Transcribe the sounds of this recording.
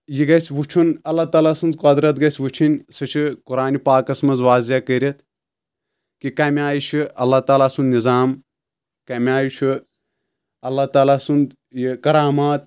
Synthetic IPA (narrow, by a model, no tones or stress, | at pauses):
jiɡɐsʲʋut͡ʃʰunɐlːaːt̪aːlaːsund̪kɐd̪ɾɐt̪ɡɐsʲʋut͡ʃʰinʲsɨt͡ʃʰikuɾaːnʲipaːkɐsmɐzʋaːziakəɾʲɐt̪ | kikɐmʲaːjiʃʰɨɐlːat̪aːlaːsund̪nizaːm | kɐmʲaːjit͡ʃʰi | ɐlːat̪aːlaːsund̪ | jikɐɾaːmaːt̪̚